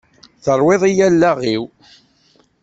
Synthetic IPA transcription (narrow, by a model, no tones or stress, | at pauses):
θəɾˤwɪðˤijælːæʁiw